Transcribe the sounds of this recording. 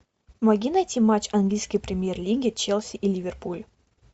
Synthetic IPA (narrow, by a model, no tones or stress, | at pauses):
mɐɡʲinɐjt̪ʲimat͡ɕɐnɡlʲijskəjpɾʲɪmʲjerlʲiɡʲɪt͡ɕelˠsʲiʔilʲivʲerpulʲ